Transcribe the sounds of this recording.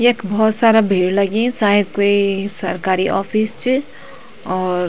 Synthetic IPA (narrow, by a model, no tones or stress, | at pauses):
ekbɔːt̪saːɾabʱiːɽlɐɡẽsaːɪd̪̚koisɐɾkaːɾiʔɔ̰ːfʰiːst͡ʃ | ɔːɾ